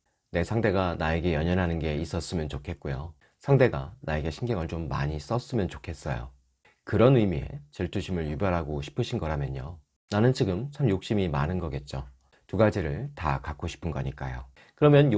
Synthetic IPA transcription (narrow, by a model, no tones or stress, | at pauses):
ne̞sʰaŋde̞ɡanae̞ɡe̞jʌɲʌnɦanɯnɡe̞is͈ʌs͈ɯmjʌnt͡ɕokʰe̞t̚k͈ujo̰ | sʰaŋde̞ɡa̰nae̞ɡe̞ɕʰinɡʌŋɯɭt͡ɕomːa̰ɲis͈ʌs͈ɯmjʌnt͡ɕokʰe̞s͈ʌ̰jo̰ | kɯɾʌnɯmie̞̰t͡ɕeɭt͈ʰuɕʰimɯɭjubjʌɾɦaɡoɕʰi̥pʰɯɕʰinɡʌɾamjʌɲo | nanɯnt͡ɕiɡɯmt͡ɕʰamjok̚ɕ͈imimanɯnɡʌɡe̞t̚t͡ɕ͈o | tuɡad͡ʑiɾɯɭta̰kak͈oɕʰi̥pʰɯnɡʌ̰ɲik͈a̰jo̰ | kɯɾʌmjʌnj